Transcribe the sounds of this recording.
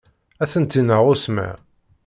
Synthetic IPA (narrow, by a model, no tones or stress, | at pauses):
æθənt̪inəʁʊsma̰